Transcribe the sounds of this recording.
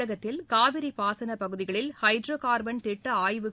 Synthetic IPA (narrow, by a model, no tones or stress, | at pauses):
ɐɣɐt̪ːɪlkaːʋɪɾipaːsɐnɐpɐɣɯðɪɣɐɭɪlhɐɪɖɾoːkaːɾbɐnt̪ɪʈːɐaːjʋɯ